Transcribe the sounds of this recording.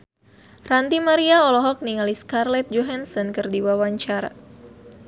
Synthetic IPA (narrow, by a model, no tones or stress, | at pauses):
rant̪imaɾiaɔlɔɦɔk̚niŋaliskarlɛt̪̚d͡ʒɔɦansɔnkərdiwawaɲt͡ʃaɾa̰